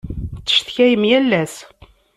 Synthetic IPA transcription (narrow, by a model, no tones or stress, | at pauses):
t͡sːə̥ʃθçæjəmjælːæs